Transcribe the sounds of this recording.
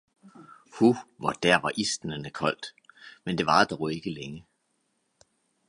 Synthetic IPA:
huʋɒd̥æɐ̰ʋɑ̈ʔisd̥n̩ənəkʰɒ̽l̰d̥mend̥e̝ʋɑ̈d̥ɒʊe̝ɡ̥əleŋə

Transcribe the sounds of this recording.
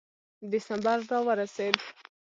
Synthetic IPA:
d̪ɪsambaɾːɑwəɾased̪

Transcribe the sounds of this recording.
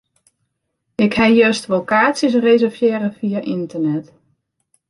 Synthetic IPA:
ɪkhɛjøstʋokaːtsjəs̬rezərfjeːɾəfiaʔintərnɛt

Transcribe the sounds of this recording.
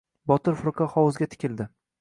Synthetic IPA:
bɒt̪ɪɾfʊɾqʰɑχɒwʊzɡʲat̪ʰɪ̥kʲʰɪld̪ɪ

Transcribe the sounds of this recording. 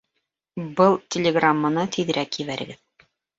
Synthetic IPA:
bɤlˠtʲelʲɪɡramːanɤt̪ʰiðɾækjɘ̆βæɾɘ̰̆ɡɘð

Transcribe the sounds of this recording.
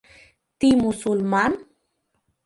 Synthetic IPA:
t̪imusulman

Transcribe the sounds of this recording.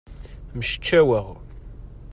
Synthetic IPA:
məʃə̥t͡ʃːæwəʁ

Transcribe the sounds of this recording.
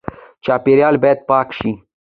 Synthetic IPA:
t͡ʃaːpeɾjaːlbajt̪̚paːkʃi

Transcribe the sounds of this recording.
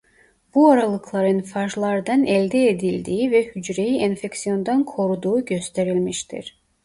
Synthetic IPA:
b̥uaɾalˠɯkʰlˠaɾɯnfaʒlˠaɾd̪ɑnɛlʲd̪ɛed̪ilʲd̪iːivɛhyd͡ʒɾejiʔenfeksijo̞nd̪ankʰo̞ɾud̪uːɟø̞st̪ʰe̞ɾilʲmiʃt̪ʰḭɾ̥

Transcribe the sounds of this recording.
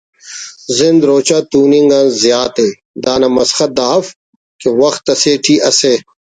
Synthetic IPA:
zɪnd̪ɾoːt͡ɕaːt̪uːnĩŋɡãnzjaːt̪e | d̪aːnɐmɐsxɐt̪̚d̪aːf | kewɐxt̪ːɐseːʈʰiːʔɐseː

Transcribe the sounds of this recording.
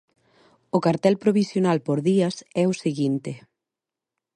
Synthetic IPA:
ʊkaɾt̪ɛlpɾoβisjonalpoɾðiɐsɛʊseɣint̪ɪ

